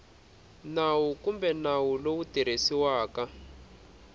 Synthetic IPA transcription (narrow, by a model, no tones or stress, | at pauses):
nawukumbɛnawulowutiɾ̤esiwaːka